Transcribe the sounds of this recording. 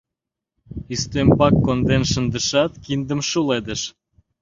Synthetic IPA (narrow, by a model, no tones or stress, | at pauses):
yst̪ømpɑkːond̪enʃə̆nd̪əʃɑt̪kind̪ə̆mʃuled̪əʃ